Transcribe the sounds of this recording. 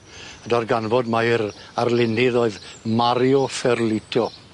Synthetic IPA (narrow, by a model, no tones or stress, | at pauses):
ədɔrɡanvɔdmaɪɾarlɪnɪðoːɨðmaɾjɔfɛrlɪtʰɔ